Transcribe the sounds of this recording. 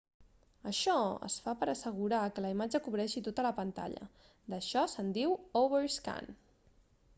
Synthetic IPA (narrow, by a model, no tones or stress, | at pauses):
əʃɔə̰sfapəɾəsəɣ̞uɾakələimad͡ʒəkuβɾɛʃit̪ot̪ələpənt̪a̰ʎə̰ | d̪əʃɔsənd̪iwoβəɾska̰n